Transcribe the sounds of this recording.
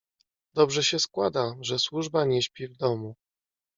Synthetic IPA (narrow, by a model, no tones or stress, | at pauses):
d̪̥ɔbʐɛɕɛskwad̪aʐɛswuʐbaɲɛɕpʲivd̪ɔmu